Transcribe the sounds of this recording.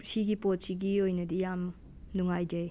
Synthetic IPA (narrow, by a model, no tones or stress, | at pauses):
siɡipot̚siɡiojnɐdijam | nuŋajd͡ʒaj